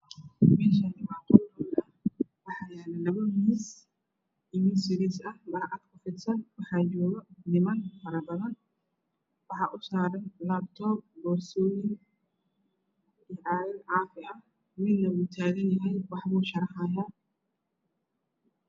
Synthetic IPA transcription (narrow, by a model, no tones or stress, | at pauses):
mɛːʃɐnɪmaːqɔnɔlɐ | wɑħɑɛnlɐβɐmis | ɪmɪsɪɾɪsɐhbɐɾʔɐd̪kʰɐfɪd̪sɐnwɑħɑːd͡ʒɔːɣɐnɪmɐnfɐɾɐbɐðɐn | wɑħɑʔʊsaːɾɐnlab̚t̪ʰɔːb̚bɔːɾsɔːjɪn | ɪʕaːɾɐnʕaːfɪʔɐ | mɪd̪nɐwuːt̪ʰaːɣɐnjɐɦɛjwɑħbuːʃɐɾɐħajaː